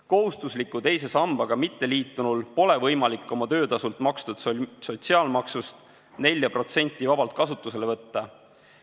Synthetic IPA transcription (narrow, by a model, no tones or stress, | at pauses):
ko̞ɦust̪uslikːˑut̪e̞jse̞sɑmb̥ɑɡ̥ɑmit̪ːeliːt̪ːˑunulpo̞le̞vɤjmɑlikːˑo̞mɑt̪ø̞ːd̪ɑsult̪mɑkst̪ud̪̥so̞t̪siɑːlmɑksust̪ | ne̞lʲjɑpro̞t̪se̞nʲt̪ːˑivɑbɑlt̪̚kɑsut̪ːuse̞le̞vɤt̪ːɑ